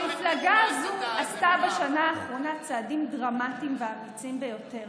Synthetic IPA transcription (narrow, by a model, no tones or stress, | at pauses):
miflaɡazuast̪abeʃanaːχʁo̞nat͡saːdimdʁamatimveamit͡simbe̞jo̞te̞ʁ